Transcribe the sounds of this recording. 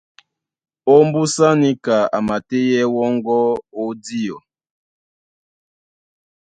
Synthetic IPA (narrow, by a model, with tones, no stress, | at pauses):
o˦mbu˦sa˦ni˦ka˨a̰˨ma˨te˦jɛ˦wɔ˦ŋɡɔ˦o˦di˦ɔ˨